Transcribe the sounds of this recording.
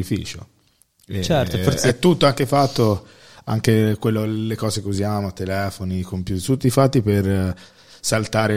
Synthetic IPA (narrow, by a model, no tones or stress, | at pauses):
ifḭːt͡ʃo̰ | et͡ʃɛɾt̪ofoɾɛt̪ːut̪ːoaŋkefat̪ːo | a̰ŋk̟ekwelːolekɔːzekeuzjaːmot̪elɛːfonikompjuːt̪it̪ut̪ːifat̪ːiper | salt̪aːɾe